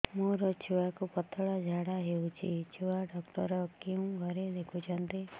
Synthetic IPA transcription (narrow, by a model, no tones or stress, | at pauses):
moɾɔt͡ʃʰuwakupɔt̪ʰɔɭad͡ʒʱaɽaɦewt͡ʃʰit͡ʃʰuwaɖɔkʈɔɾɔkeũɡʱɔɾed̪ekʰut͡ʃʰɔnt̪i